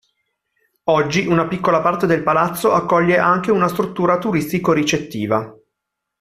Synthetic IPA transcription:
ɔd͡ʒːiʔunapikːolapart̪ed̪elpalat̪sːoʔakːɔʎːeʔaŋkeunast̪ɾut̪ːuːɾat̪uɾist̪ikoɾit͡ʃet̪ːiːva

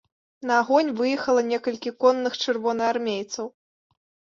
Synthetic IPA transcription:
nɐaɣɔnʲvɨjɛxɐlˠɐnʲɛkɐlʲkʲikɔnːɨxt͡ʂɨrvɔnɨarmʲejt̪sɐw

